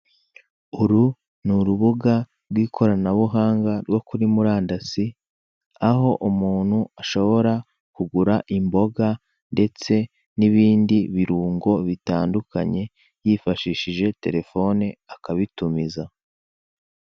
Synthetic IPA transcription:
uɾu | nuɾuβuɡa | ɾɡwiːkʰo̞ɾanaβuɦaːŋɡaɾwo̞kuɾimuɾaːndasi | aɦo̞ʔumuːn̥huaʃo̞βo̞ɾa | kuɡuɾaʔimbo̞ɡa | nde̞t͡se̞ | niβiːndiβiɾuːŋɡo̞βitaːnduka̰ɲe̞ | jifaʃiːʃiʒe̞te̞ɾe̞fo̞neakaβitumiza

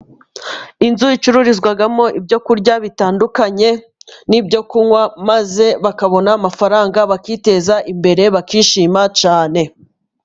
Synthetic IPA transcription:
inzuit͡ʃuɾuɾizɡwaɡamo̞ʔibɟo̞kuɾɟaβitaːndukaɲe̞ | nibɟo̞kuŋwamaze̞βakaβo̞naːmafaɾaːŋɡaβakite̞zaʔimbe̞ɾe̞βakiːʃiːmat͡ʃaːne̞

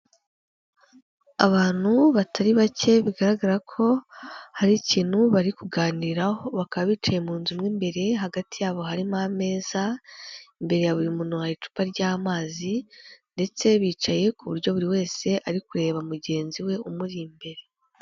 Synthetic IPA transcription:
a̰βaːn̥huβatʰaɾiβace̞βiɡaɾaɡaɾakʰo̞haɾiciːn̥huβaɾikuɡaːniiɾahoβakaβaβiːt͡ʃajemuːnzumŋiːmbe̞ɾe̞ɦaɡatijaːβo̞ɦaɾimame̞ːz̥a | imbe̞ɾe̞jaβuɾimunuhait͡ʃu̥paɾɟaːmaːzinde̞t͡se̞βiːt͡ʃaje̞kuβuɾɟo̞βuɾiwe̞ːse̞ʔaɾikuɾe̞ːβamuɟe̞ːnziwe̞umuɾimbe̞ɾe̞

